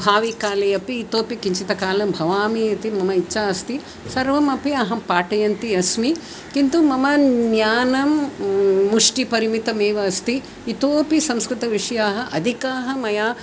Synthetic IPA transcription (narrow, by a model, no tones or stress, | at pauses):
bʱaːʋikaːlejɐpiːt̪oːpikiɲt͡ʃit̪ɐkaːlɐmbʱɐʋaːmiɐt̪imɐmɐitːʃaːɐst̪i | sɐɾʋɐmɐpiɐɦɐpaːʈɐjɐnt̪iɐsmi | kint̪umɐmɐnjaːnɐmː | uʂʈipɐɾimit̪ɐmeːʋɐːst̪iː | t̪oːpisɐmskɾɪt̪ɐʋiʂɐjaːɦɐ̆ʔɐd̪ʱikaːɦɐ̆mɐjaː